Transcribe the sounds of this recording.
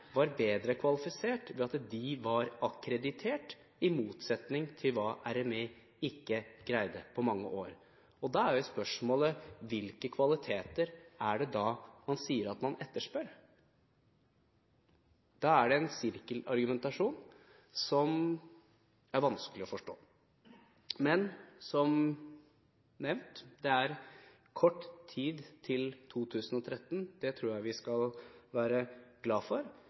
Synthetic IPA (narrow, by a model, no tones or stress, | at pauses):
ʋɑɾbeːd̪ɾəkʰʋɑlɪfɪseːʈʋɛɑt̪d̪ɪʋɑɾɑkɾɛd̪ɪt̪ʰeːʈ | ɪmuːt̪sɛt̪nɪŋt̪ʰɪlʋɑːʔæɾɛmeː | ɪkːəɡ̥ɾæɪd̪əpʰɔmɑŋːə̰ʔoːɾ | ɔd̪ɑæɾjʊspœʂmoːləʋɪlkəkʰʋɑlɪt̪ʰeːt̪əɾæɖɛd̪ɑːmɑnsiːəɾɑt̪mɑnɛt̪ːəʂpøːɾ | d̪̥ɑːæɖɛɛnsɪɾkəlɑ̰ɾɡʉmɛnt̪ɑʂuːn | sɔm | æɾʋɑnskəlɪɔfɔʂʈo̰ː | mɛnsɔm | nɛʋnt̪d̪ɛæɾ | kʰɔʈːt̪ʰiːd̪t̪ʰɪlt̪ʰuːt̪ʰʉːsn̩ɔt̪ʰɾɛt̪ːənd̪ɛt̪ʰɾuːɾjæɪʋɪskɑlʋæːɾəɡlɑːfɔɾ